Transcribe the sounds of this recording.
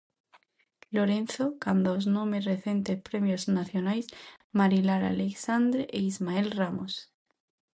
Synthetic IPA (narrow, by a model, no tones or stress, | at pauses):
lo̞ɾe̞nθo̞kand̪aoznõmereθje̞nt̪epɾe̞mjo̞znaθjo̞najsmaɾilaɾa̰leksand̪ɾeʔeizmae̞lramos